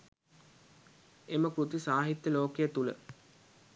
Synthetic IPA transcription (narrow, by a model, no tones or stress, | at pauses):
eməkɾut̪isaːɦit̪jəloːkejət̪ulə̰